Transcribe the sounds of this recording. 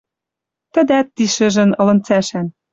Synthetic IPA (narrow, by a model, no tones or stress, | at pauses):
t̪ə̆d̪æt̪ːiʃɘ̆ʒɘ̆nɤ̆lɤ̆nt͡sæʃæn